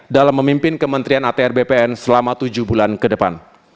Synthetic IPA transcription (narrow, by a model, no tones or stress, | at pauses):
dalamːəmimpɪnkəmənt̪ɾianat̪eɛrbepeɛnsəlamat̪ud͡ʒuhbulankədəpa̰n